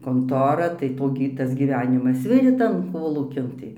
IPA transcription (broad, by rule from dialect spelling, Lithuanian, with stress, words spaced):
koːnˈtoːrɐ tɐɪ ˈtoː ɡʲɪ ˈtɐs ɡʲiːˈʋʲæːnʲɪmɐs ˈʋʲɪrʲeː ˈtɐn ˈkoːlˠuːkʲɪn ˈtɐɪ